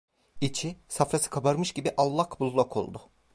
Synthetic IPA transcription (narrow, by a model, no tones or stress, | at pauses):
it͡ʃʰisafɾasɯ̥kʰabaɾmɯʃɟibiʔalˠːakbulˠlˠakʰo̞̰lˠd̪ʊ